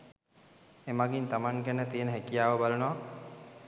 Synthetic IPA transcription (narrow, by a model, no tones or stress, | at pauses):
emaɡint̪amaŋkænət̪ijənəɦekijaːʋəbalənoʋa